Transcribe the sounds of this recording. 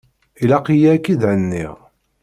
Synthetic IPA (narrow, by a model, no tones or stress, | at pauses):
ilɑqijækːid̪ʕənːḭʁ